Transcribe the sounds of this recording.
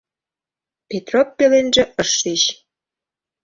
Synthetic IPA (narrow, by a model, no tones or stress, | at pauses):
pet̪ropːelenʒĕʔəʃiɕ